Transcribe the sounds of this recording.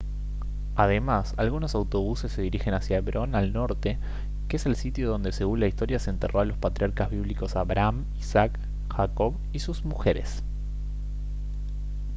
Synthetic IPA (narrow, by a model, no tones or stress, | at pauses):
að̞e̞masalɣuno̞sawt̪o̞β̞use̞sːe̞ðiɾixe̞nasjaeβɾʔo̞nalno̞ɾt̪e̞ | keeselsit̪joð̞o̞nd̪e̞se̞ɣunlaist̪o̞ɾjaseent̪e̞rʔo̞alo̞spat̪ɾʲijaɾkazβiβliko̞saβɾam | isak | xako̞β | isuzmuxe̞ɾe̞̰s